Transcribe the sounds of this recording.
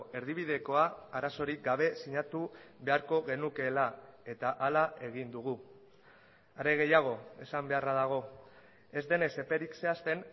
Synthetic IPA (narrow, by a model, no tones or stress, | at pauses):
e̞ɾðiβ̞ið̞e̞ko̞aaɾaso̞ɾik̚ɡaβ̞e̞siɲat̪uβe̞aɾko̞ɣe̞nuke̞lae̞t̪aʔalae̞ɣ̞ind̪uɣu | aɾeɣ̞e̞jaɣ̞o̞e̞sambe̞araðaɣ̞o̞ | e̞zd̪e̞ne̞se̞pe̞ɾikse̞ast̪e̞n